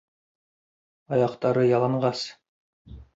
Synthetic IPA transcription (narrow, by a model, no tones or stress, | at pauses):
ɑjɑqt̪ɑɾɤjɑlˠɑɴɢɑs